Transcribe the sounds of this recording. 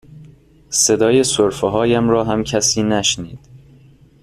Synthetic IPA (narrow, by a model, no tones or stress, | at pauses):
se̞d̪ɒːjesoɾfeɦɒːjæmɾɒːɦæmcʰæsiːnæʃniːd̪̥